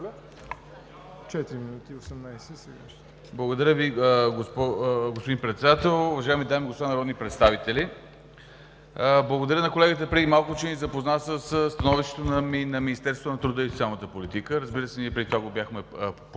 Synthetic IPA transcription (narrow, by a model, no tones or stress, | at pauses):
t͡ʃɛt̪iɾiminut̪iosɛmnajsɛsɛɡa̰ʃ | blˠəɡod̪ɐɾʲjəviəɡospɔɡospod̪inpɾɛt̪sɛd̪at̪ɛlˠʊvɐʒaɛmid̪amiɡospoanɐɾɔd̪nipɾɛt̪st̪avit̪ɛli | əblˠəɡod̪ɐɾənɐkolɛɡət̪əpɾɛd̪imalˠkʊt͡ʃɛnizɐpoznasəsst̪ɐnɔviʃt̪ɛ̥t̪onɐminɐminist̪ɛɾst̪vonɐt̪ɾud̪əist̪ʲialˠnət̪əpolit̪ikəɾəzbiɾəsɛniɛpɾɛd̪ʲit̪aɡobjaxmɛp